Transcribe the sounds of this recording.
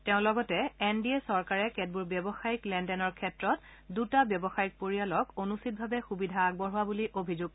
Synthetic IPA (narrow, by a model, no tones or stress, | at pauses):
tɛʊ̃lɔɡɔtɛɛndiesɔɹkaɹɛkɛt̚buɹbjɔbɔxajiklɛndɛnɔɹkʰɛtɹɔt | dutabjɔbɔxajik̚poɹialɔkonustʰit̚bʱabɛxubidʱaːɡ̚bɔɹɦʊwabuliʔobʱizuɡ̚